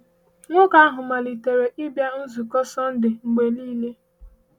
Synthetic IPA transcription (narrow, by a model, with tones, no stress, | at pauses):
ŋʷʊ˦ka˦a˦ɦʊ˨ma˨li˨te˨ɾe˨ʔɪ˦bja˦n̩˦zu˨kɔ˦sɔ˦n̩˦dɪ˨ŋ͡m̩˨ɡ͡be˨niː˦le˦